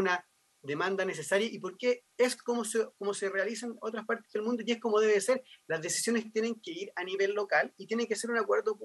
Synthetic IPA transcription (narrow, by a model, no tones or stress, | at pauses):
na | ðemand̪ane̞s̬esaɾjaʔipo̞ɾkeeskomosekomoserealisanot̪ɾaspaɾt̪ezðelmũnd̪o̞jeskomoðeβeseɾlazðe̞si̥sjo̞nest̪jene̞ŋkeiɾaniβe̞lːo̞kalit̪jeneŋkeseɾunakwe̞ɾðop